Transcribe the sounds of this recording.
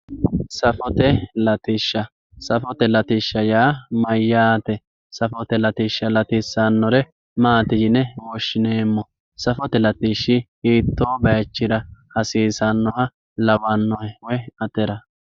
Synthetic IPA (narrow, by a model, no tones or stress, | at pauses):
sɐfɔt̪ɛlɐt̪ɪʃːɐ | sɐfɔt̪ɛlɐt̪ɪʃːɐjaːmɐjːaːt̪ɛ | sɐfɔt̪ɛlɐt̪ɪʃːɐlɐt̪ɪsːɐnːɔɾɛ | maːt̪ɪd͡ʒɪnɛwɔʃːɪneːmːɔ | sɐfɔt̪ɛlɐt̪ɪʃːɪ | iːt̪ːoːbɐjɐt͡ʃːɪɾɐhɐsiːsɐnːɔhɐ | lɐwɐnːɔhɛwɔjɐt̪ɛɾɐ